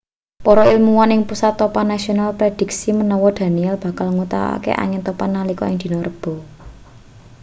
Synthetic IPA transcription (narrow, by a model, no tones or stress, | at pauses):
pɔɾɔilmuwanɪŋpusat̪ːopanasionalpɾed̪̥i̤ksimənɔwɔd̪̥a̤niɛlb̥a̤kalŋut̪a̰wa̰kḛʔa̰ŋɪnt̪ɔpanːalikɔ̰ɪŋd̪̥i̤nɔrəb̥ɔ̤